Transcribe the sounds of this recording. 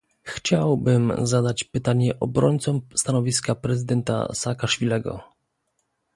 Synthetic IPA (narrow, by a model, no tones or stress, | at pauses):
xt͡ɕawbɘmzad̪at͡ɕpɘt̪aɲɛʔɔbɾɔɲʲt̪sɔmst̪anɔvʲiskapɾɛzɘd̪ɛnt̪a̰sakaʂfʲilɛɡɔ̰